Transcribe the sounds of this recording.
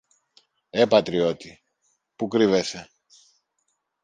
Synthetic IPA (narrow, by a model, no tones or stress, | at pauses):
e̞pɐt̪ɾio̞t̪i | pukɾive̞se̞